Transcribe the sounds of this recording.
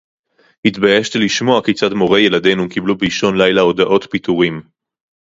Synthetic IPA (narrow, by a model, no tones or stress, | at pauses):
hit̪bajeʃtiliʃmo̞aket͡sadmo̞ʁeje̞lade̞nukiblubiʃo̞nlajlao̞d̪aʔo̞t̪pit̪uʁim